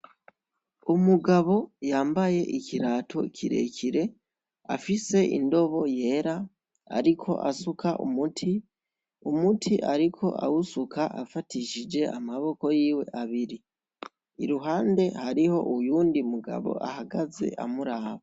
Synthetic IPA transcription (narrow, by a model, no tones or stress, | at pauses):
umuɡaβo̞jaːmbaje̞ʔiciɾaːtʰo̞cʰiɾe̞̰cʰiɾe̞ | afise̞ʔḭndo̞βo̞je̞ːɾa | a̰ɾikʰo̞̰ʔa̰sukaʔṵmutʰi | umutʰiʔaɾikʰo̞̰ʔa̰wusukaʔa̰fatiʃid͡ʒe̞amaβo̞ko̞jiːwe̞̰ʔaβiɾi | iɾuɦaːnde̞haɾiho̞̰ʔujuːndiumuɡa̰βo̞̰ʔa̰haɡaze̞̰ʔamuɾaːβa